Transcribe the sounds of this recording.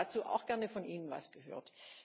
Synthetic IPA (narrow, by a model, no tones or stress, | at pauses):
at͡suːʔa̰ʊxɡ̥ɛɐnəfɔnʔiːnənva̰sɡ̥əɦø̰ːɐt